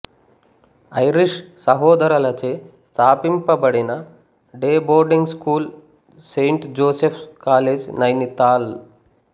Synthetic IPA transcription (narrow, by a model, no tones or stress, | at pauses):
ɐjɾiʂsɐɦɔːd̪ɐɾɐlɐt͡ʃeːst̪ʰaːpimpɐbɐɽinɐ | ɖeːboːɾɖiŋɡskuːl | sejɳʈd͡ʒoːsepʰkaːleːd͡ʒnɐjnit̪aːl